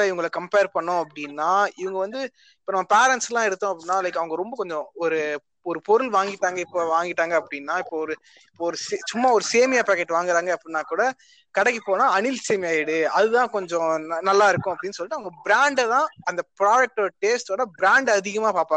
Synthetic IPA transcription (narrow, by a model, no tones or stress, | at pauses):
aːɪʋɐŋɡɐɭkɐmpeːɾpɐɳːʊ̃ɐpːɐɽɪnːaːɪʋɐŋɡɐʋɐnd̪ɯ | ɪpːoːnɐmːɐpeːɾɛɳʈslãːɪɽɯt̪ːõːɐpːɐɽɪnːaːɪlɛɪkːɐʋɐŋɡɐɾɔmbɐkɔɲd͡ʒɔ̃ɔɾɯ | ɔɾɯpɔɾɯlʋaːŋɡɪʈːaːŋɡɐɪpːoʋaːŋɡɪʈːaːŋɡɐːpːɐɽɪnːaːɪpːoɔɾɯ | ɪpːoːɔɾɯset͡ʃʊmːaɔɾɯseːmɪjaːpaːkːeʈːʋaːŋɡɪɾaːŋɡɐɐpːɐɽɪnːaːkuːɽɐ | kɐɽɛkːipːoːnãːɐnɪlseːmɪjaːɪɽɯɐðɯðãːkɔɲd͡ʒɔ̃nnɐlːaːɪɾɯkːʊ̃ɐpːɐɽɪnːɯs̬ɔlːɪʈːɯɐʋɐŋɡɐbɪɾaːɳɖt̪ãːɐnd̪ɐpɾaːd͡ʒɛk̚ʈoɽɐʈeːsʈoːɽɐbɾaːɳɖɐðɪɣɐmaːpaːpaː